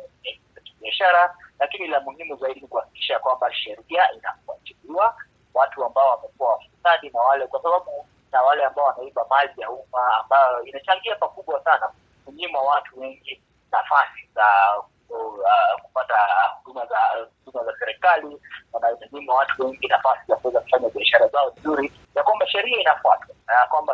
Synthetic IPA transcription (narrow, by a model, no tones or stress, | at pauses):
ɛzakiɓiaʃaɾalakinilamuhimuzaiɗinikuhaki̥ki̥ʃakwambaʃɛɾiaina̰kua̰t͡ʃiliwa | watuambaɔwamɛkuawafusaɗinawalɛkwasaɓaɓu | nawalɛambaɔwanaimɓamalijaumaːmbajɔinat͡ʃaŋɡiapakuɓwasanak | zuɲimwawatuwɛŋɡi | nafasiza | ku̥patahuɗumazahuɗumazasɛɾɛkaliwanaizuɲimawatuwɛŋɡinafasizakuwɛzakufaɲaɓiaʃaɾazaɔvizuɾi | jakwambaʃɛɾiainafuatwakwamba